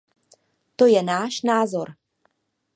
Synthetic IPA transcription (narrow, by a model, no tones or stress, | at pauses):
t̪o̞jɛnaːʃnaːzo̞ɾ